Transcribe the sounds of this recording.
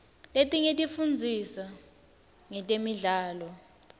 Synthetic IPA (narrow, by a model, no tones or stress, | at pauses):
letʼiŋetʼifund͡zʱisa | ŋɛtʼemiɮaːlɔ